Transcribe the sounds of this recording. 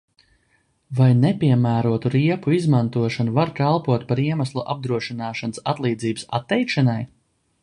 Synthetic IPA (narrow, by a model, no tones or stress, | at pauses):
vajnepʲiɛmæːɾuɔt̪uɾiɛpuizmant̪uɔʃanuvaɾkalˠpuɔt̪paɾiɛmaslˠuʔa̰b̚d̪ɾuɔʃinɑːʃanɨsa̰t̪lˠiːd̪ziːbəsa̰t̪ːɛjkʃanaj